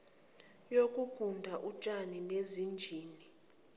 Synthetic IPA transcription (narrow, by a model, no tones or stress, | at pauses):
jokʼuɡ̥ʱundʱaʔut͡ʃʼaninezind͡ʒʱiːni